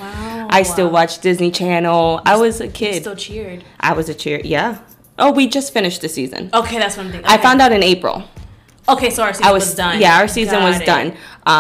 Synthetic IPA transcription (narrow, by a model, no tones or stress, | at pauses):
ʔaɪstɪlˠwɑt͡ʃd̥ɪznit͡ʃʰænl̩ˠa̰ɪwʌzɨkʰɪd̥̚t͡ʃʰɪɹd̥ʔa̰ɪwʌzɨt͡ʃʰɪɹjæ | ʔoʊwid͡ʒʌstfɪ̃ñɨʃ̚ðɨsizɨ̰̃noʊkʰeɪðætswʌ̃θɪ̃ʔaɪffãʊ̃ndaʊɾɨ̃neɪpɹ̰l̩ˠ | oʊkʰeɪsoʊ˞saɪwʌzdʌ̃njæaʊə˞sizɨ̃nwʌzdʌ̰̃nʔʌ